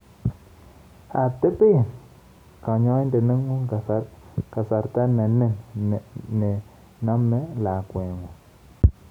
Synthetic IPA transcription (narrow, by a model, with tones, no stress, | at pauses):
a˨te˦pe˦˨n | ka˨ɲo˦i˦nde˨ni˦ŋu˦ka˨a˦ɾka˨sa˨ɾta˦na˨ne˦n˨ | ne˨ | na˦mːe˦la˨kwe˨ŋu˨